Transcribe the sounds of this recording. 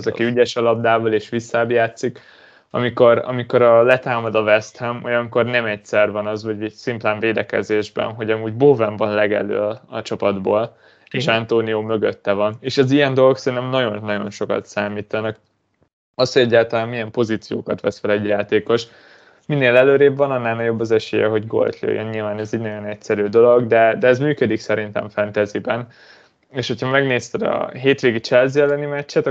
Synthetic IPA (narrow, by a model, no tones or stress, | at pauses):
zɒkiyɟɛʃɒlɒb̚d̪aːvoleːʃʋisːaːbjaːt̪sik | ɒ̰miko̞ɾɒ̰miko̞ɾɒlɛt̪aːmɒd̪ɒvɛst̪hɛmojɒŋko̞rnɛmɛcsɛrvɒnɒzvɒɟɛsimp̪laːɱveːd̪ɛkɛ̰zeːʒbɛ̰nɦo̞ɟɒmuːɟboːvɛɱvɒnlɛɡɛ̰lø̰ːɒɒt͡ʃɒpɒd̪boːl | eːʃant̪oːnijoːmøɡøt̪ːɛvɒneːʃɛzijɛnd̪o̞loksɛɾint̪ɛmnɒɟo̞nnːɒɟo̞̰nʃo̞kɒ̰t̪saːmiːt̪ɒnɒk | ɒshoɟɛɟːaːlt̪ɒlaːnmːijɛmpo̞ziːt̪sijo̰ːkɒt̪ʋɛsfɛlɛɟjaːt̪eːko̞ʃ | minːeːlɛløːɾeːbvɒnɒnːaːlnɒɟo̞bːɒzɛʃḛːjɛ̰ɦo̞ɟɡo̞̰lt̪lø̰jːɛ̰nɲilvaːnɛziːɟnɒɟo̞nɛcsɛɾyːd̪o̞lo̞ɡd̪ɛd̪ɛːzmyːkød̪iksɛɾint̪ɛ̰ɱfɛnt̪ɛzibɛn | eːʃho̞cʰɒmɛɡneːst̪ɛd̪ɒ̰ɦeːt̪ʋeːɡit͡ʃɛlziɛlːɛnimɛcːɛt̪ɒ